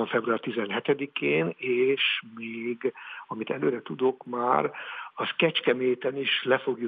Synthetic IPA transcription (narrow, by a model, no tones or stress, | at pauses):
oɱfɛbruaːrt̪izɛnɦɛt̪ɛd̪ikeːneːʃmeːɡɒmit̪ɛløːɾɛt̪ud̪o̞kma̰ːɾɒskɛt͡ʃkɛmeːt̪ɛniʃlɛfo̞ɡju